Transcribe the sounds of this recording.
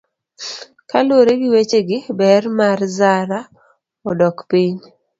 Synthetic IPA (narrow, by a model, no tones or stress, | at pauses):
kaloɾeɡɪwet͡ʃeɡɪbɛrmarzaɾa | ɔdɔkpiɲ